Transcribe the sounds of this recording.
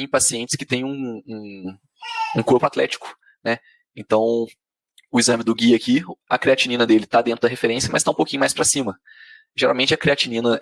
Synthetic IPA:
ẽj̃pasiẽnt͡ʃɪ̥skɪ̥t̪ẽj̃ũũ | ũkoɾpʊat̪lɛ̰t͡ʃɪ̥kʊ̥ | nɛ | ẽnt̪ɐ̃w̃ | ʊizɐ̃mɪd̪ʊɡiɐːkiɐkɾiat͡ʃinĩnɐd̪elɪt̪ad̪ẽnɾʊd̪ɐɦefeɾẽsjɐmɐst̪aũpowkʲĩɲʊmajspɾɐsĩmɐ | ʒeɾawmẽnt͡ʃɪɐkɾiat͡ʃinĩnɐ

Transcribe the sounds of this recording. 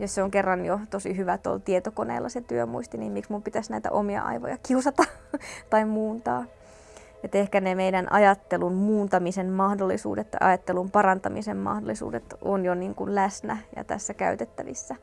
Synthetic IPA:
josseoŋkerːɑnjot̪osiɦyʋæt̪o̰lt̪iet̪okonḛːlːɑset̪yømuist̪iniːmmiksmumpit̪æsnæit̪æ̰ʔomiɑ̰ʔɑ̰iʋo̰jɑkiusɑt̪ɑt̪ɑimmuːnt̪ɑ̰ː | et̪ehkænemeidænʔɑjɑt̪ːelunmuːnt̪ɑmisemmɑhdolːisṵːdet̪ːɑ̰jʔɑjɑt̪ːelumpɑrɑnt̪ɑmisemmɑ̰hdolːˑisṵːdet̪ʔonjoniːŋkunlæsnæjɑ̰t̪æ̰sːækæ̰yt̪et̪ːæʋḭsːæ

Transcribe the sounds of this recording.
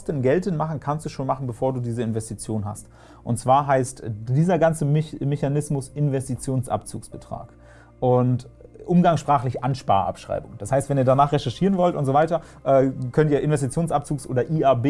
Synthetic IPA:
stənɡɛltənmaχn̩kʰanstd̥uːʃoːnmaχn̩bəfoːɐduːdiːzəɪnvɛstit͡sjoːnɦa̰st | ʔʊnt̚t͡sv̥aːɐɦaɪstdiːzɐɡant͡səmɛçanɪsmʊsʔɪnvɛstit͡sjoːnsʔa̰pt͡sṵːksb̥ətʁ̥a̰ːk | ʔʊntʔʊmɡaŋsʃpʁ̥aːχlɪçʔanʃpa̰ːɐʔa̰pʃʁ̥a̰ɪbʊŋd̥ashaɪstv̥ɛniːɐdanaːχʁɛʃɛɐʃiːʁənvɔltʊntz̥oːvaɪtɐ | ʔɛːkʰœntiːɐʔɪnvɛs̬tit͡sjoːnsʔap̚t͡suːksʔo̰ːdɐʔiːʔaɐbeː

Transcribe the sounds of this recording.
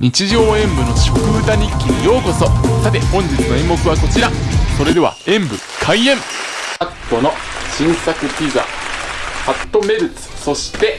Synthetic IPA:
ɲ̟it͡ɕiʑo̞ːẽ̞mbɯ̟no̞ɕi̥kɯ̟ːt̪aɲ̟ikʲːiɲijo̞ːko̞so̞sat̪e̞hõ̞ɲ̟d͡ʑit͡sɨno̞imːo̞kɯ̟βako̞t͡ɕiɾaso̞ɾe̞d̪e̞a̰ẽ̞mbɯ̟ | kʰaiẽ̞mat̪ːo̞no̞ɕĩɰ̃sakɯ̟pʲiza̰ | hat̪ːo̞me̞ɾɯ̟t͡sɨ̥so̞ɕi̥t̪e̞

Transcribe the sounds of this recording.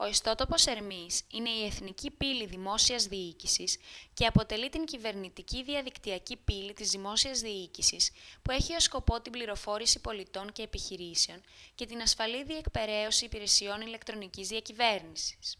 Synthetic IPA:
o̞ist̪o̞t̪o̞po̞se̞ɾmisine̞ie̞θnicipiliðimo̞siɐzðiicisisce̞ɐpo̞t̪e̞lit̪iɲcive̞ɾnit̪iciðiɐðikt̪iɐcipilit̪izðimo̞siɐzðiicisispue̞çio̞sko̞po̞t̪imbliɾo̞fo̞ɾisipo̞lit̪o̞ɲce̞ːpiçiɾiseo̞nce̞t̪inɐsfɐliðie̞kpe̞ɾe̞osiːpiɾe̞sio̞nile̞kt̪ɾo̞nicizðiɐcive̞ɾnisi̥s

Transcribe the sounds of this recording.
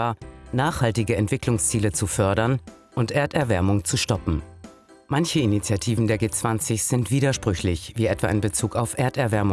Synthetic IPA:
aːnaːχhaltɪɡəɛntv̥ɪklʊŋst͡siːlət͡sufœɐɾɐnʔʊntʔeːɐtɛɐvɛɐmʊŋt͡suʃtɔpm̩ | mançəinit͡sjatʰiːvn̩deːɐɡeːt͡sv̥ant͡sɪçz̥ɪntv̥iːdɐʃpʁ̥ʏçlɪçviːɛtv̥a̰ɪnbət͡suːkaʊfʔeːɐtɛɐvɛɐmʊ

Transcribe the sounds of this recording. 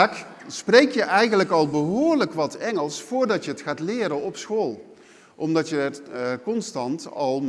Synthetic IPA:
ksprejkjəʔɛjɣənləkɑlˠbəɦʊːɹləkʋɑtɛŋəlˠsfʊːrdɑtjəətχaːtlɪːɾənɔpsxoːlˠ | ʔɔmdɑtjəətkɔnstɑntɑlˠ

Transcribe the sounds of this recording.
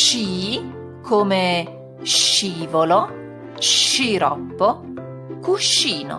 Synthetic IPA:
t͡ʃiː | kʰome | ʃiːvolo | ʃiɾɔ̰pːo | kuʃːiːno̰

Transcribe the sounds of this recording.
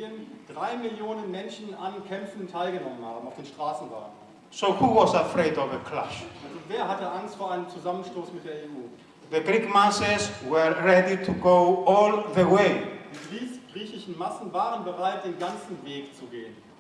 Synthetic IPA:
ənd̥ʁaɪmɪljoːnənmɛnʃn̩ankʰɛmfn̩ʊntʰːaɪlɡənɔmənha̰ːbm̩aʊfd̥eːnʃtʁ̥aːsn̩va̰ːɡn | soʊhuwɔzəfɹeɪdɔvðəkʰla̰ʃʔalzoveːɐɦatəʔaŋstfoːɐʔaɪnəmt͡suzamənʃtoːsmɪt̚d̥eːɐeʔuː | ðəɡɹikmasəzwə˞ɹɛditʰuɡoʊɔlðəweɪd̥iːɡʁiːsɡ̥ʁiːçɪʃn̩masn̩vaːʁənbəʁaɪt̚d̥eːnɡant͡sn̩veːkt͡suɡeːən

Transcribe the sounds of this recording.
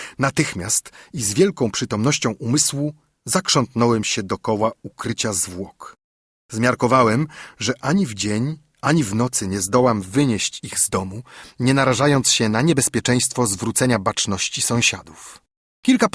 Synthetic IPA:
nat̪ɘxmʲjast̪izvʲjɛlkɔ̃w̃pʂɘt̪ɔmnɔɕt͡ɕɔ̃w̃ʔumɘswu | zakʂɔnt̪nɔwɛmɕɛd̪ɔkɔwaukɾɘt͡ɕazvwɔk | zmʲjaɾkɔvawɛmʐɛʔaɲivd͡ʑeɲ | ʔaɲivnɔt̪sɘɲɛzd̪ɔwamvɘɲɛɕt͡ɕiɣzd̪ɔmuɲɛnaɾaʐajɔnt̪sɕɛnaɲɛbɛspʲjɛt͡ʂɛj̃st̪fɔzvɾut̪sɛɲabat͡ʂnɔɕt͡ɕisɔ̃w̃ɕad̪uf | kʲilka

